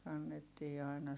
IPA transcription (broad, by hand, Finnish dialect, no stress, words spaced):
kɑnːetːiː ɑˑi̯nɑ